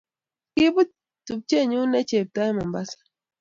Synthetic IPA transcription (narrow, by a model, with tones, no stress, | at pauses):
ki˦bu˦ | tu˨p̚t͡ʃe˦˨ɲu˦nɛ˦t͡ʃe˨p̚ta˦ɛ˦mɔ˨mba˦sḁ˦